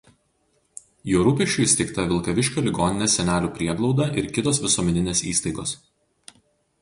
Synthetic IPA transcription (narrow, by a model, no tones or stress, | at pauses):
juːɾuːpʲɛʃʲt͡ʃʲʊˑsʲt̪ʲɛɪkt̪ɐʋʲɪlˠkɐʋʲɪʃʲkʲoːlʲɪɡɔːnʲɪnʲeːsʲɛnʲæːlʲuːpʲɾʲiɛɡlˠɒʊd̪ɐʔɪɾkʲɪt̪oːsʋʲɪsɔːmʲɛnʲɪnʲeːsḭːst̪ɐɪɡoːs